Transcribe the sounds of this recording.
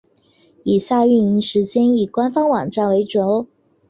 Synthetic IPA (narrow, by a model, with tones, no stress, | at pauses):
i˨˩ɕja˥˧y˥˩ni˧˥ŋʂɻ̩˧˥t͡ɕjɛ˥ni˨˩kwa˥nfɑ˥ŋwɑ˨˩ŋʈ͡ʂa˥˩nwe˧˥ɪʈ͡ʂo˧˥ʊ